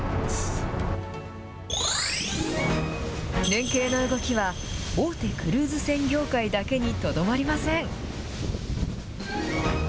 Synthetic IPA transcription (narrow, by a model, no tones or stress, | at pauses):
nẽ̞ŋke̞ːno̞ɯ̟ɡo̞kʲiβaoːt̪e̞kɯ̟ɾɯ̟ːzɨsẽ̞ŋɡʲo̞ːkaid̪ake̞ɲ̟it̪o̞d̪o̞maɾʲimasẽ̞ŋ